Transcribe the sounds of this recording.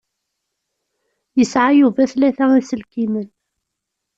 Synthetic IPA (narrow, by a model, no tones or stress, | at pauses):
jəsʕajuvæθlæθæisəlkimən